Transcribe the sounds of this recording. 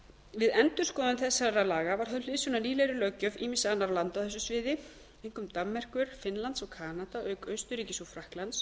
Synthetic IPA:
vɪðɛnt̪ʏ̥skɔːðʏnθɛsːaɾalaːɣavaɾ̥hœlɪsʏnaniːlɛɾʏlœːcœviːmɪsaanːaɾlant̪awθɛsːʏsvɪːðɪ | ejŋ̥kʏmt̪amːɛr̥kʏɾ̥fɪnlant̪sɔɣkʰaːnat̪aʔœɥkœɥst̪ʏɾiːcɪsɔfɾahklans

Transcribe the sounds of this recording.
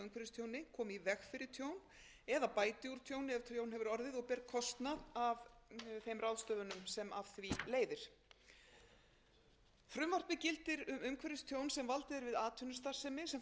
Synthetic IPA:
ʏmkʰɛɾɪst̪ʰjownɪkʰɔːmivɛxfɪɾɪɾt̪ʰjown | ɛðapaːjt̪ɪuɾ̥t̪ʰjownɪɛvt̪ʰjownɦɛvʏɾɔɾðɪðɔɣpɛɾkʰɔst̪naðavθejmrawðst̪œːðʏnʏmsɛmavθvileːjðɪɾ̥ | fɾʏmvar̥t̪mɪcɪlt̪ɪɾʏmʏmkʰvɛɾɪst̪ʰjownsɛmvalt̪ɪðɪɾvɪðaːt̪ʰʏnʏst̪ar̥sɛmɪsɛm

